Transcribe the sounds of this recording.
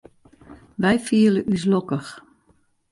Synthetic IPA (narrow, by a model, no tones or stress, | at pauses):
ʋɛjfiələʔys̬lɔkəx